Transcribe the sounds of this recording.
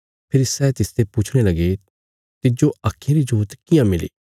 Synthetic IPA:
pʰɪɾsɛːt̪ɪst̪epʊt͡ʃʰɽ̃elɐɡe | t̪ɪd͡ʒoaːkʰːẽɾid͡ʒuːt̪kɪjãmɪlḭː

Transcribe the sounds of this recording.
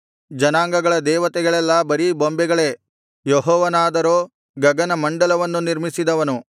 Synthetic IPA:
d͡ʒɐnaːŋɡɐɡɐɭɐd̪ɛːʋɐt̪ɛɡɐɭɛlːɐbɐɾibombɛɡɐɭe̞ː | jɔɦɔːʋɐnaːd̪ɐɾoː | ɡɐɡɐnɐmɐɳɖɐlɐʋɐnːuniɾmisid̪ɐʋɐnu

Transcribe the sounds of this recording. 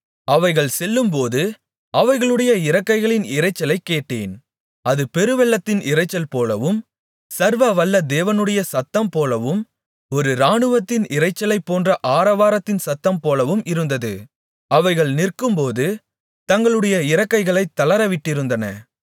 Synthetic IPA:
ɐʋɐɪɣɐɭsɛlːɯmpoːðɯ | ɐʋɐɪɣɐɭɯɽɐjɐɪɾɐkːɐɪɣɐɭɪnɪɾɐɪt͡ʃːɐlɐɪkːeːʈːeːn | ɐðɯpɛɾɯʋɛlːɐt̪ːɪnɪɾɐɪt͡ʃːɐlpoːlɐʋɯm | sɐɾʋɐʋɐlːɐd̪eːʋɐnɯɽɐjɐsɐt̪ːɐmpoːlɐʋɯm | ɔɾɯɾaːɳɯʋɐt̪ːɪnɪrɐɪt͡ʃːɐlɐɪpːoːndrɐʔaːɾɐʋaːɾɐt̪ːɪnsɐt̪ːɐmpoːlɐʋɯmʔɪɾɯnd̪ɐðɯ̰ | ɐʋɐɪɣɐɭnɪrkɯmpoːðɯ | t̪ɐŋɡɐɭɯɽɐjɐɪɾɐkːɐɪɣɐɭɐɪt̪ːɐlɐɾɐʋɪʈːɪɾɯnd̪ɐnɐ

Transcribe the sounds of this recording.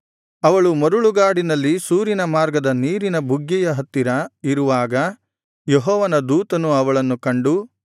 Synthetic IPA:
ɐʋɐɭumɐɾuɭuɡaːɽinɐlːisuːɾinɐmaːɾɡɐd̪ɐniːɾinɐbʱuɡjɛjɐɦɐt̪ːiɾɐiɾuʋaːɡɐ | jeɦɔːʋɐnɐd̪uːt̪ɐnuɐʋɐɭɐnːukɐɳɖu

